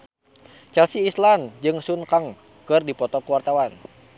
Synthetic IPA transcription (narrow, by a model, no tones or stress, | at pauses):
t͡ʃɛlsiːsland͡ʒɨŋsunkaŋ | kɨrdipɔt̪ɔkuwart̪awan